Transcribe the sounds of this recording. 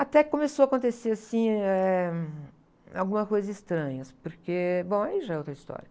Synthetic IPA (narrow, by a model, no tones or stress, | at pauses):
at̪ɛɪkõmesowakõnt̪eseasĩɛ | a̰wɡũmɐskojzɐzist̪ɾɐ̃ɲɐspoɾkebõw̃aiʒaɛowt̪ɾɐist̪ɔ̰ɾjɐ